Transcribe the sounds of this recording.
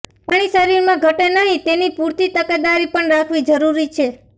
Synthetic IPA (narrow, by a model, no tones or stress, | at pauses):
paɽ̃isəɾiɾmãɡʱəʈenəɦĩt̪enipuɾt̪it̪əked̪aɾipəɳɾakʰʋid͡ʒəɾuɾit͡ʃʰe